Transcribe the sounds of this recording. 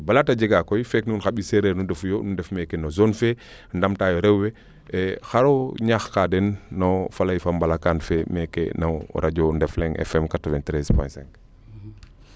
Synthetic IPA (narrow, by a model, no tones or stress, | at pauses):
balataɟiɡakɔjfɛknunxaɓiseɾeɾnudɛfjɔnudɛfmɛkenɔzɔnfɛ | ndamtaːjɔɾɛwwɛ | xaɾoɲaxkadɛnːɔfalɐjfambalakanfɛmɛkḛnaɾaɟɔndɛflɛŋʔɛ̰fɛmkatɔvɛntɾɛspɔ̰jsɛ̃ŋk